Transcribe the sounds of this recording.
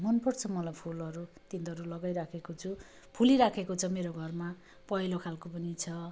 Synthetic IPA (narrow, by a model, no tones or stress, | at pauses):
mʌnpʌrt͡sʰʌmʌlajpʰulʌɾut̪int̪ʌɾulʌɡajɾakʰekot͡sʰu | pʰuliɾakʰekot͡sʰʌmeɾoɡʱʌrma | pʌɦilokʰalkopʌnit͡sʰʌ